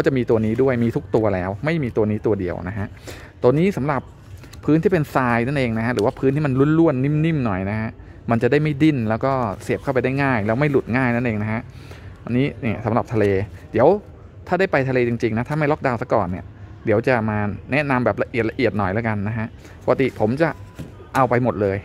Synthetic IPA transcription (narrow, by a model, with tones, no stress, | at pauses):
kɔː˥˩t͡ɕa˨˩miː˧t̪u˧ɐniː˦˥du˥˩əjmiː˧t̪ʰu˦˥k̚t̪u˧ɐlɛː˦˥wma˥˩jmiː˧t̪u˧ɐniː˦˥t̪u˧ɐdi˧ə̰wna˦˥kʰa˦˥ʔ | t̪u˧niː˦˥sa˩˦mɾa˨˩pʰː | ɯː˦˥nt̪ʰiː˥˩pe˧nsaː˧jna˥˩nʔeː˧ŋna˦˥kʰa˦˥ɾɯː˦waː˥˩pʰɯː˦˥nt̪ʰiː˥˩ma˧nlu˥˨nlu˥˩ənːi˥˩˨mni˥˩˨mnɔ˨˩jna˦˥kʰa˦˥ʔ | ma˧nt͡ɕa˨˩da˥˩jma˥˩jdi˥˩nlɛː˦˥wkɔː˥˩si˨˩p̚ʰa˥˩pa˧jda˥˩jŋaː˥˩jlɛː˦˥wma˥˩jlu˨˩t̪̚ŋaː˥˩jna˥˩nʔeː˧ŋna˦˥kʰa˦˥ʔt̪ːnːiː˦˥ni˥˩sa˩˦ɾa˨˩p̚t̪ʰleː˧di˩˦əw | t̪ʰaː˥˩da˥˩pa˧jt̪ʰa˧leː˧t͡ɕi˧ŋt͡ɕi˧ŋna˦˥t̪ʰaː˥˩ma˥˩jlɔ˦˥k̚daː˧wsa˧˦˥kɔ̰ː˨˩nːi˨˥˩ədi˩˦əwt͡ɕa˨˩maː˧nɛ˦˥na˧mbɛː˨˩p̚la˧ʔi˨˩t̪̚la˧ʔi˨˩ət̪̚nɔ˨˩jlaː˦˥ka˧nːa˦˥kʰa˦˥ʔ | pɔ˧˩ka˧t̪i˨˩pʰo˩˦mt͡ɕa˨˩ʔ | ʔa˧wpa˧jmo˨˩t̪̚lɤː˧j